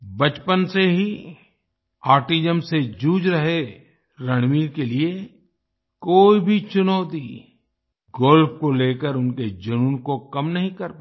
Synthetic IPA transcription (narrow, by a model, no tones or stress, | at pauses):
bɐt͡ʃpənseɦi | aːɾʈid͡ʒəmsed͡ʒuːd͡ʒɾɐɦe | ɾɐɽ̃miːɾkelie | koːibʱit͡ʃʊnəːt̪i | ɡɔːlpʰkoleːkəɾʊnked͡ʒɐnuːnkokɐmnɐɦĩkɐɾpː